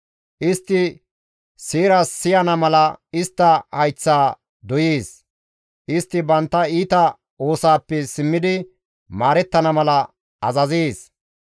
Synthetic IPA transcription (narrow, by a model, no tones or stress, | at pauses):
ʔɪst̪ːɪ | siːɾɐsːɪjɐnɐmɐlɐɪst̪ːɐhɐjt͡sːaː | d̪ɔjiːs | ʔɪst̪ːɪbɐnt̪ːɐiːt̪ɐ | oːsaːpːɛsɪmːɪd̪ɪ | maːɾɛt̪ːɐnɐmɐlɐ | ʔɐzɐziːs